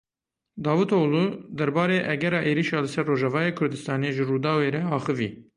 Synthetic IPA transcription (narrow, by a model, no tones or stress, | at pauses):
d̪ɑːvuːt̪olud̪ɛɾbɑːɾeːʔɛɡɛɾɑːʔeːɾiʃɑːlɨsɛɾːoːʒɑvɑːjeːkʰʊɾd̪ɨst̪ɑːneeʒɨruːd̪ɑːweːɾɛɑːxɨvḭː